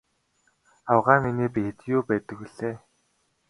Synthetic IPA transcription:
awʁaːminiːpixet̪juːpæːt̪ə̆k̚wiɮ̥eː

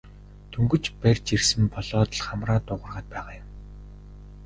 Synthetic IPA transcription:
t̪ʰɵŋɡɵ̆t͡ɕpærʲt͡ɕirsɘ̆mpʰɔɮɔːt̪ə̆ɮχamraːt̪ʊʁə̆rʁaːt̪̚pæːʁaːjʊ̆m

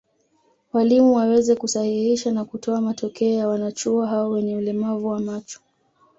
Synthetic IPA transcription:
walimuwawɛzɛkusahihiʃanakutʰɔamatɔkɛɔjawanat͡ʃuaɦawɔwɛɲɛulɛmavuwamat͡ʃɔ̥

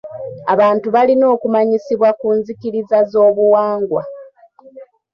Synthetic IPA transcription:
aβaːntuβalino̞ːkumaɲisiβwakuːnzikiɾizazo̞ːβuwaːŋɡwa

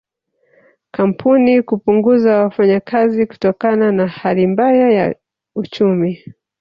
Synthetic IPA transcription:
kam̩pʰunikupuŋɡuzawafaɲakaziku̥tɔkananahalimbajaja̰ | ut͡ʃumi

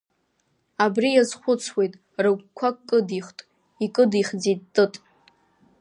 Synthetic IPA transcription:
abrijazχʷʊt͡sʰwe̞jtʼ | rɨɡʷkʷʰakkʼːɨdiχʷtʼ | ikʼɨdiχd͡zit̚tʼːɨtʼ

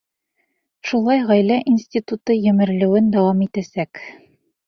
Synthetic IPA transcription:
ʃulˠɑjʁɒjlæʔinsʲt̪ʲit̪ut̪ɤjɘ̆mɘ̆ɾlɘ̆wɘnd̪ɒwɑmit̪æsæk

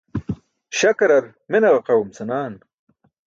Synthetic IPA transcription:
ɕɐkɐɾɐɾ | menɐʁɐqɐwumsɐnaːn

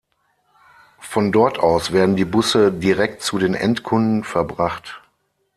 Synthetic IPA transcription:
fɔndɔɐtʔaʊsv̥eːɐdn̩diːbʊsədiʁɛk̚tt͡sudeːnʔɛ̰ntkʰʊndn̩fɛɐbʁaχt

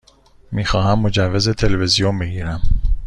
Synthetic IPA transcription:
miːxɒːhæmːo̞d͡ʒævːezet̪ʰelevezijombeɡiːɾæm

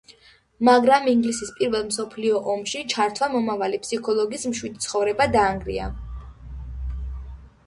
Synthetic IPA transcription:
maɡɾamiŋɡlisispʼiɾvɛlˠmsɔpʰliɔʔɔmʃit͡ʃʰaɾt̪ʰwamɔmavalipʰsikʰɔlˠɔɡismʃwid̪it̪sʰχɔvɾɛbad̪aːŋɡɾḭa̰

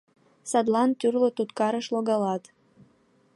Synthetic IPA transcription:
sɑd̪lɑnt̪yrlət̪ut̪kɑɾəʃloɣɑlɑt̪

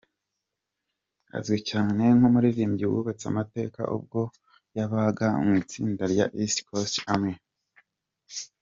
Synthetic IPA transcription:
a̰zɡwicaːne̞ŋhomuɾiɾiːmɟiwṵβat͡sa̰mate̞̰ːka̰ʔṵb̚ɡo̞ | jaβaɡaṵmit͡siːndaɾja̰ʔistkʰostamŋe̞

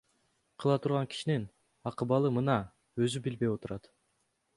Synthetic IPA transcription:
qʰɯlˠɑt̪ʰuɾʁɑŋki̥ʃinin | ɑqɯbɑlˠɯmɯnɑ | ø̞zybilbe̞jo̞t̪uɾɑt̪

